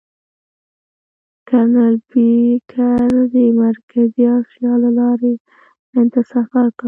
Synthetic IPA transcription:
kanaɾbikʰaɾd̪əmaɾkaziɑsjɑlalɑɾe | ant̪asafaɾka

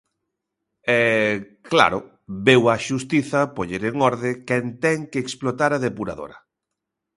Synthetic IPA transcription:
ɛ | kla̰ɾʊ̰ | bewɐʃust̪iθɐpoʎeɾeŋɔɾðɪkɛnt̪ɛŋkeːksplot̪aɾaðepuɾa̰ðo̰ɾɐ̰

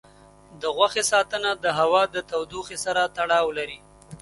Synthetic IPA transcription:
d̪əɣwaxesɑt̪ənad̪əɦawɑd̪ət̪awd̪uxesaɾat̪aɽɑwlaɾi

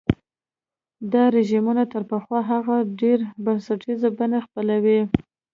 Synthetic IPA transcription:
d̪ɑɾɪʒimunat̪əɾpəxwɑɦaɣaɖeɾbansaʈizabanaxpəlawi

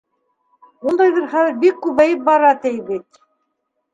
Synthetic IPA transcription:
und̪ɑjðɤɾχæðɘ̆ɾbikːʉβæjɘp̚bɑɾɑt̪ɘjbit̪

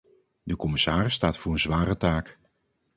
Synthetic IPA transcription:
dəkɔmɪsaːrɪsːtaːtfʊːɹənzʋaːɾətaːk

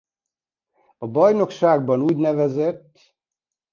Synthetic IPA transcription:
ɒbɒjno̞kʃaːɡ̚bɒnuːɟnɛvɛzɛt̪ː

